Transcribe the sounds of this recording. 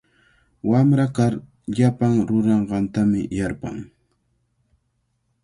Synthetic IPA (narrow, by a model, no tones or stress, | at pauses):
wamɾakaɾ | ʎapaŋɾʊɾɑɴɢɑnt̪amɪ̰jaɾpa̰ŋ